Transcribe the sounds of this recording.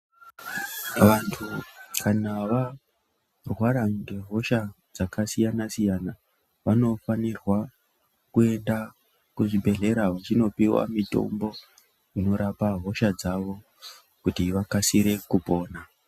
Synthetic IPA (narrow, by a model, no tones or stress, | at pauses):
ʋantʰukʰanaʋa | rwaɾaŋde̞ɦo̞ʃa | d͡zakʰasijanasijana | ʋano̞fanirwa | kue̞nda | kuʐibʱe̞ɮe̞ɾaɦat͡ʃino̞piwa̰mito̞̰mbo̞ | ino̞ɾapaɦo̞ʃad͡zaʋo̞ | kutiʋakasiɾe̞kupo̞ːna